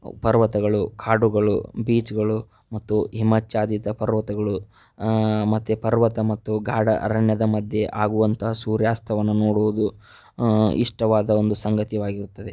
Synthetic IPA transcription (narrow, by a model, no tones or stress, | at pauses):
pɐɾʋɐt̪ɐɡɐɭukʰaːɖuɡɐɭubiːt͡ʃɡɐɭu | mɐt̪ːuɦimɐt͡ʃaːd̪it̪ɐpɐɾʋɐt̪ɐɡɐɭu | mɐt̪ːupɐɾʋɐt̪ɐmɐt̪ːuɡaːɽɐ̰ʔɐɾɐɳjɐd̪ɐmɐd̪ʱjeʔaːɡuʋɐnt̪ʰɐɦɐsuːɾjaːst̪ʰɐʋɐnːunoːɽuʋud̪u | ḭʂʈɐʋaːd̪ɐo̞nd̪usɐŋɡɐt̪iʋaːɡiɾut̪ːɐd̪e